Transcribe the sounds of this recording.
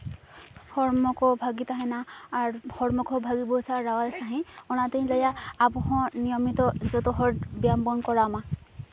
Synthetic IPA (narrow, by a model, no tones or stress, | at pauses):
hɔɹmɔkɔbʱaɡit̪aɦɛ̃naːɹhɔɹmɔkɔbʱaɡibɔsʰaɹawalsaɦĩɔnat̪eɦĩlɔjaːbɔɦɔ̃nijɔmit̪ɔzɔt̪ɔɦɔɹdbjambɔnkɔɹama